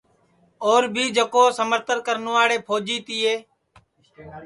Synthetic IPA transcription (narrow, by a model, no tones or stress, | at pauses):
oːɾbʱiːd͡ʒəkoːsəməɾt̪əɾkəɾnõːaːɽeːpʰoːd͡ʒiːt̪iːɦeː